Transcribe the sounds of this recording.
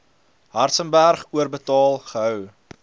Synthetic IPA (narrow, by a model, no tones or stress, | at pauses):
ɦɐrtsənbærχuərbətɑːlˠχəɦœw